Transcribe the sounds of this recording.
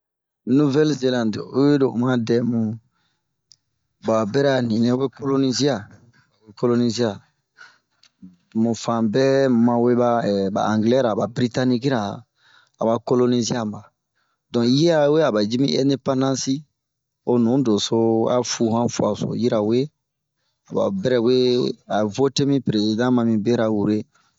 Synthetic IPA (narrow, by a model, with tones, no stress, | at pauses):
nu˦vɛ˦lze˦lã˨ndu˦je˦do˨u˨mã˦dɛ˨mũ˨ | ba˨bɛ˦ɾa˨nĩ˨nɛ̃˦we˦ko˦lo˦ni˦zi˦a˨ | we˨ko˦lo˦ni˦zi˦a˨ | mũ˨fã˨bɛ˦mã˨we˦ba˦ɛ˨ba̰˨ã˨ŋɡlɛ˦ɾa˨ba˨bɾi˦ta˦ni˦ki˦ɾa˨ | a˨ba˨ko˦lo˦ni˦zi˦a˦mã˨ | dɔ̃˨˦ji˦ɾa˦we˦a˨ba˨d͡ʒi˦mĩ˦ɛ̃˦nde˦pã˦nã˦si˦ | o˨nũ˨˦do˨so˦a̰˦fu˨hã˦fu˨a˨so̰˨ji˦ɾa˨we˦ | a˨ba̰˨bɛ˦ɾɛ˦we˦a˨vo˦te˦mĩ˦pɾe˨zi˨dã˦mã˨mĩ˨be˦ɾa˨wu˨ɾe˦